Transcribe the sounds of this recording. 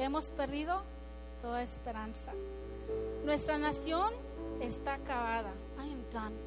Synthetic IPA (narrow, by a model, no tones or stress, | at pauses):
e̞mospeɾðiðo̞ | t̪o̞ðaespeɾansa | nwe̞st̪ɾanasjon | est̪akaβaða | ajɛ̃mdãn